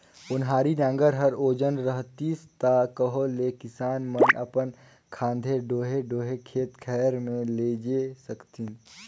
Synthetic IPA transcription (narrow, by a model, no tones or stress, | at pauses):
ʊnɦaːɾiɖãːŋɡəɾɦəɾoːd͡ʒənɾəɦt̪ist̪akəɦolekɪsaːnmənə̰pən | kʰãːnd̪ʱeɖoːɦeɖoːɦekʰeːt̪kʰɛːɾmẽleːd͡ʒesəkt̪i